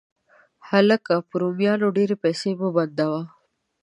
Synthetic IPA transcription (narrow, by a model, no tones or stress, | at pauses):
hɐlɐkɐpuɾumijaːnuɖeːɾepeːsiːmubɐnd̪ɐʋaː